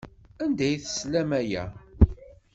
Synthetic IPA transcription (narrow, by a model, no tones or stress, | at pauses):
ænd̪æjθəslæmæjæ̰